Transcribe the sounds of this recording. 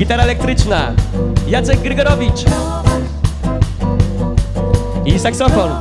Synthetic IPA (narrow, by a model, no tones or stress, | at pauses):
ɡʲit̪aɾaɛlɛk̚t̪ɾɘt͡ʂnajat̪sɛɡɡɾɘɡɔɾɔvʲit͡ʂ | isaksɔfɔn